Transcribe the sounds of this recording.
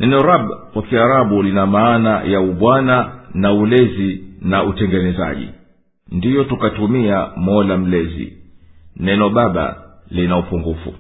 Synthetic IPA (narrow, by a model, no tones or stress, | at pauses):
nʔɛnɔɾaɓkwakiaɾaɓulinamaːnajauɓwananaulɛzinautɛŋɡɛnɛza̰ʄḭ | ndijɔtukatumiamɔlam̩lɛzḭ | nɛnɔɓaɓa̰linaupuŋɡufṵ